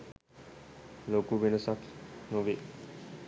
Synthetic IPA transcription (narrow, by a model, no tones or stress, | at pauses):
lokuʋinosaknoʋe